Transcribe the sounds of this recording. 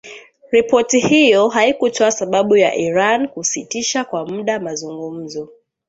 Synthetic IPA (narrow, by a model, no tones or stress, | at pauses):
ɾipɔtihijɔɦaikutʰɔasaɓaɓuja̰ʔiɾankusitiʃakwamuɗamazuŋɡum̩zɔ